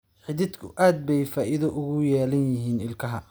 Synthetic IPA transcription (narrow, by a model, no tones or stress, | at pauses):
ħɪðɪd̪kʰʊʔaːd̪̚bɛjfaːʔɪðɐʔʊɣʊjɛːlɐnjɪɦiːnɪlkʰɐɦɐ